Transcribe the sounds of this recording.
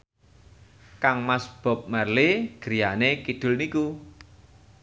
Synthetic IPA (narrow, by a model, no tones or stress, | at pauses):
kaŋmasb̥ɔ̤p̚mərleɡ̥əɾijanekid̪̥ʊ̤lniku